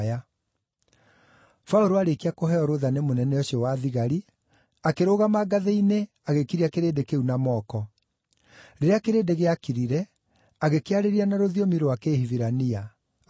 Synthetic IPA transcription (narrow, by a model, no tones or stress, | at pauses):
ja | faoɾoaɾekiakoɦɛɔɾoðanemonɛnɛɔɕiɔwaðiɣaɾi | akeɾoɣamaɡaðeine | aɣekiɾiakeɾeːdekeunamɔːkɔ | ɾeɾeakeɾedeɣeakiɾiɾɛ | aɣekeaɾeɾianaɾoðiomiɾowakehiviɾania